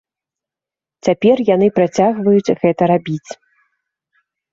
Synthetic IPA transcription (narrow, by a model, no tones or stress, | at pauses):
t͡sʲapʲɛrjanɨpɾat͡sʲaɣvɐjut͡sʲɣɛt̪ɐɾabʲit͡sʲ